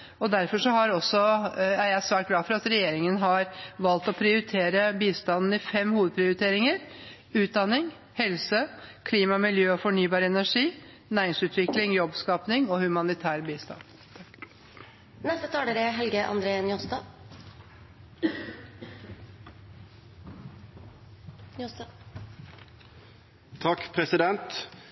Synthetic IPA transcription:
ɔd̪æɾfɔʂɔhɑɾɔsːɔæɾjæɪsʋæːʈ̚ɡlɑːfɔɾɑt̪ɾɛjeːɾɪŋənɦɑɾʋɑlt̪ɔpʰɾɪʊɾɪt̪ʰeːɾəbiːst̪ɑnn̩ɪfɛmːhuːʋəd̪̚pʰɾɪʊɾɪt̪ʰeːɾɪŋəɾ | ʉːt̪̚d̪ɑnːɪŋ | hɛlsəkʰliːmɑmɪljøːɔfɔɳyːbɑːɾəɛnæʂiː | næːɾɪŋsʉːt̪ʰʋɪklɪŋjɔbskɑːpnɪŋoːhʉmɑnɪt̪ʰæːɾbiːst̪ɑ̰n | nɛst̪ət̪ʰɑːləɾeɦɛlɡəʔɑ̰nd̪ɾeːnjɔst̪ɑ | t̪ʰɑkpʰɾɛsɪd̪ɛnt̪

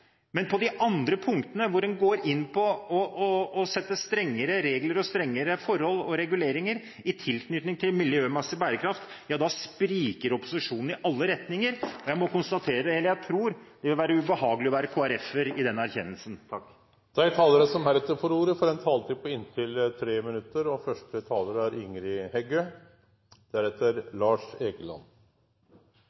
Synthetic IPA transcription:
mɛnpʰɔd̪ɪʔɑnd̪ɾəpʰʊŋkt̪ənəʋʊɖɛnɡoːɾɪnːpʰɔɔːsɛt̪ːəst̪ɾɛŋːəɾəɾeːɡləɾɔst̪ɾɛŋːəɾəfɔɾhɔlːɔɾɛɡʉleːɾɪŋəɾ | ɪt̪ʰɪlknʏt̪nɪŋt̪ʰɪlmɪljøːmɛsəbæːɾəkʰɾɑft̪jɑːd̪ɑspɾiːkəɾɔpːʊ̥sɪʂuːnn̩ɪʔɑlːəɾɛt̪nɪŋəɾɔjæɪmɔkʊnst̪ɑt̪ʰeːɾəd̪ɛhɛlːəjæɪt̪ʰɾuːɾd̪̥ɛʋɪlʋæːɾəʉbəhɑːɡəlɪɔʋæːɾəkʰoːæɾɛfəɾɪd̪ɛnːəæɾçɛnːəlsənt̪ʰɑkː | d̪̥ɛæɪt̪ʰɑːləɾəsɔmæɾɛt̪ːəɾfɔɾuːɾəfɔɾɛnt̪ʰɑːlt̪ʰiːpəɪnt̪ʰɪlt̪ʰɾeːmɪnʉt̪ːəɾɔfœʂʈət̪ʰɑːləɾəæɾɪŋɾɪhɛɡøː | d̪̥æɾɛt̪ːəɾlɑːʂeːɡəlɑ̰nː

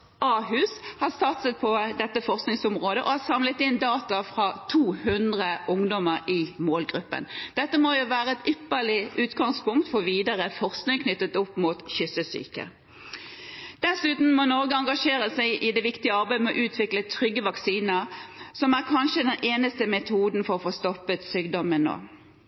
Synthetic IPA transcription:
ʔɑːɦʉːshɑʁst̪ɑt̪sət̪̚pʰɔd̪ɛt̪ːəfɔʁsknɪŋsɔmʁoːd̪əʔɔhɑsɑmlət̪ɪnd̪ɑːt̪ɑfʁɑt̪ʰuːhʉnd̪ʁəʔʊŋd̪ɔməʁɪmoːlɡʁʉpːə̰nd̪̥ɛt̪ːəmɔjʊʋæːʁəɛt̪ʏpːəɭɪʔʉːt̪ɡɑŋspʊŋkt̪fɔʁʋiːd̪əʁəfɔʁsknɪŋkʰnʏt̪ːət̪ʊpːmuːt̪çʏsəsy̰ːkə̰ | d̪̥ɛsʉːt̪n̩mɔnɔɾɡəɑŋɡɑʂeːɾəsæɪʔɪd̪ɛːʋɪkt̪ɪəɑɾbæɪmɛɔʔʉːt̪ʰʋɪklət̪ʰʁʏɡəʋɑksiːnəsɔmæʁkʰɑnʃəd̪ɛnʔeːnəst̪əmɛt̪ʰuːd̪n̩fɔʁɔfoːst̪ɔpːət̪syːɡd̪ɔmənːo̰ː

